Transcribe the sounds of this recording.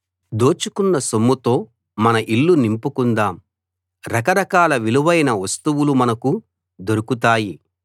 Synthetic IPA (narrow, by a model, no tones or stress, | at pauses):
d̪o̞ːt͡ʃukunːɐsomːut̪o̞ː | mɐnɐʔilːunimpukund̪aːm | ɾɐkɐɾɐkaːlɐʋiluʋɐjnɐʋɐst̪uʋulumɐnɐku | d̪oɾukut̪̬aːji